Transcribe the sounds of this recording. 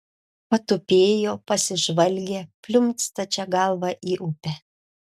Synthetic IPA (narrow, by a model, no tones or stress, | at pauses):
pɐt̪ʊpʲeːjoːpɐsʲɪʒʋɐlʲɡʲepʲlʲʊmʲt̪st̪ɐt͡ʃʲɛɡɐlˠʋɑʔiːʔʊpʲɛ